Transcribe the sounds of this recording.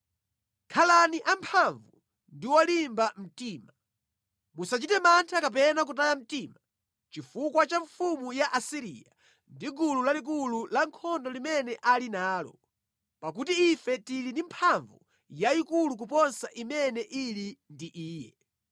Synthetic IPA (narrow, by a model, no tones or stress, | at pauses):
kʰalaniʔampʰaɱvu | ndiwalimbam̩tiːma | musat͡ʃitɛmantʰakapɛnak̬utajam̩tima | t͡ʃifukwat͡ʃaɱfumujaʔasiɾḭja̰ | ndiɡululalik̬ululaŋkʰɔndɔlimɛnɛʔalinaːlɔ̰ | pak̬utiifɛtilinimpʰaɱvu | jaikuluk̬upɔnsaʔimɛnɛʔilindiʔiːjɛ